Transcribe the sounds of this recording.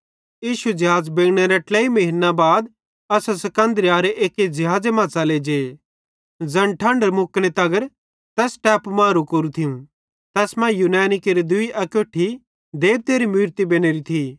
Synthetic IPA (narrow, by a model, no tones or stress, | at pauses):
jiːʃud͡ʒɐɦaːd͡zbeːɡɽ̃eɾeʈleːimɐɦɪnːabaːd̪ | ɐsasɐkɐ̃nd̪əɾijaːɾeʔeːked͡ʒɐɦaːd͡zemãːt͡saled͡ʒeː | d͡zɐ̃ɳʈʰɐ̃ɳɖəɾmʊkɽ̃et̪ɐɡəɾ | t̪ɛːsʈɛːpmãːɾukɐɾut̪ʰiũ | t̪ɛːsmãjuːnɛːnikeɾid̪ʊiʔɐkoːʈʰi | d̪eːb̚t̪eːɾimiːɾt̪ibeːñeɾit̪ʰi